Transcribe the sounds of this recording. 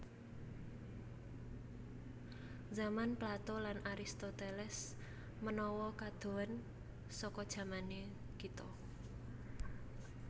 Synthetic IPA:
zamanplat̪ɔlanʔaɾist̪ot̪elɛs | mənɔwɔkad̪̥o̤ən | sɔkɔd̥ʒ̥ä̤mane | kit̪ɔ

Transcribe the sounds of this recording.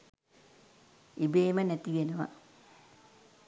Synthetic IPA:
ibeːmənæt̪iɡenəʋa̰

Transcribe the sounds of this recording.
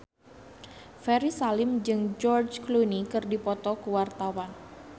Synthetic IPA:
fɛɾisalɪmd͡ʒɨŋd͡ʒɔrd͡ʒklunikɨrdipɔt̪ɔkəwart̪awan

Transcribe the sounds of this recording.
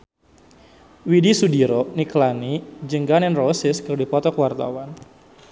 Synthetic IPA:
widisudiɾɔniklanid͡ʒəŋɡanɛnrosɪskərdipɔt̪ɔkəwart̪a̰wan

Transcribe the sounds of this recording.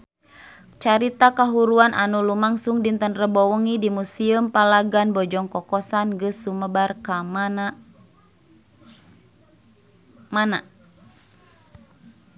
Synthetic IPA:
t͡ʃaɾit̪akaɦuɾuanʔanulumaŋsuŋdint̪ənrəbɔwɔŋidimusiumpalaɡanbɔd͡ʒɔŋkɔkɔsanɡɨsːuməbarka | mana

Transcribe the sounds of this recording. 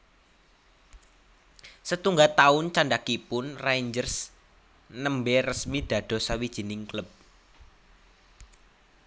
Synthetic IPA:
sət̪uŋɡat̪aʊnt͡ʃaɳɖakipʊnrand͡ʒərs | nəmberəsmid̪̥ä̤d̪̥ɔ̤sawid̥ʒ̥i̤nɪŋklʊp̚

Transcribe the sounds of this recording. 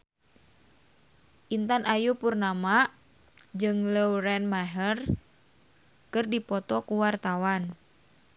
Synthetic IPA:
ʔint̪anʔajupurnama | d͡ʒɨŋləɾɛnmaɦər | kɨrdipɔt̪ɔkuwart̪awan

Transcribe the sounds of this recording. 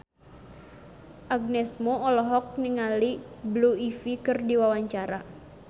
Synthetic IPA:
ʔaɡ̚nɛsmɔɔlɔɦɔk̚niŋalibluifikɨrdiwawaɲt͡ʃaɾa

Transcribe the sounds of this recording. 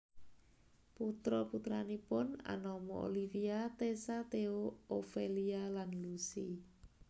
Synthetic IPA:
put̪ɾɔput̪ɾanipʊna̰nɔmɔo̰lifiat̪esat̪eoofelialanlusḭ

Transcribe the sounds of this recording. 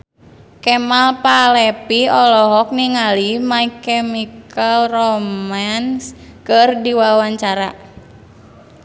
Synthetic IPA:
kɛmalpalɛpiɔlɔɦɔk̚niŋalimaikɛmikalrɔmanskərdiwawaɲt͡ʃaɾa

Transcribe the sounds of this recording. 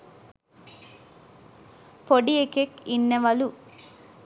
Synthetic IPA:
poɖiekekinːɐʋɐlu

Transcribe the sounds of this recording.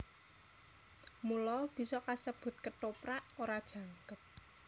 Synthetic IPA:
mulɔb̥i̤sɔkasəb̥ʊ̤t̪̚kəʈopɾaʔoɾad̥ʒ̥ä̤ŋkəp̚

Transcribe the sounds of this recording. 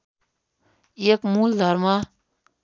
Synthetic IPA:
ekmuːld̪ʱəɾmã

